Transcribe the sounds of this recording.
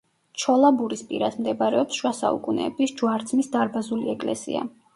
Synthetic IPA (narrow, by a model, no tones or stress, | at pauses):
t͡ʃʰɔlˠabuɾispʼiɾad̪md̪ɛbaɾɛɔpsʃwasa̰ṵkʼunɛ̰bisd͡ʒuwaɾt̪sʰmisd̪aɾbazuliɛkʼlɛ̰sḭa̰